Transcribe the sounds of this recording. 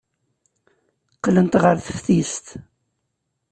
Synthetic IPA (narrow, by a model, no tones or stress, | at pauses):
qlənt̪ʁəɾθəfθist̪